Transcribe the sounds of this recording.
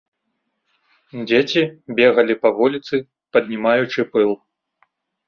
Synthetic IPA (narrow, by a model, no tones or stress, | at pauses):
d͡zʲet͡sʲibʲeɣɐlʲipɐvɔlʲit̪sɨ | pɐd̪ʲnʲimajut͡ʂɨpɨlˠ